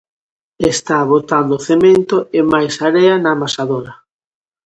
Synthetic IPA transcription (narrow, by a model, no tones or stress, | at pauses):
est̪aβot̪and̪oθemẽnt̪oemajsaɾeanamasaðoɾɐ